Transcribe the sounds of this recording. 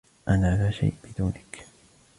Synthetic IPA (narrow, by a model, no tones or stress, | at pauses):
ʔanaːlaːʃa̰jʔb̥ɪd̪uːnɪk